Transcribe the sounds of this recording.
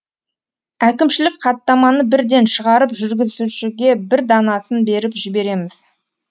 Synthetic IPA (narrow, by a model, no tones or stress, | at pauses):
ækʲɪmʃɪlɪk̚qʰɑt̪ːɑmɑnəbɪɾd̪e̞nʃəʁɑɾəpʒʏɾɡʲɪzzuʃɪɡʲe̞bɪɾd̪ɑnɑsənbe̞ɾɪpʒɪbe̞ɾe̞mɪz